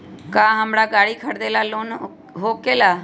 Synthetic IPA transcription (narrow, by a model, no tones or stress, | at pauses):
kãːɦəmɽaːɡaːɽiːkʰəɽd̪eːlaːloːn | ɦoːkeːlaː